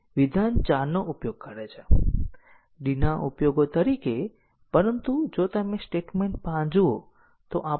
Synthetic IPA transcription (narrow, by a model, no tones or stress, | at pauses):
ʋid̪ʱant͡ʃaɾnoʔupjoɡ̚kəɾet͡ʃʰe | ɖinaʔupjoɡot̪əɾike | pəɾənt̪ud͡ʒot̪əmẽsʈeʈmeɳʈ̚pãd͡ʒuo | t̪oʔa